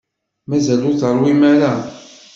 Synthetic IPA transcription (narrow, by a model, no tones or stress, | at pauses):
mæzælʊɾθəɾˤwimæɾa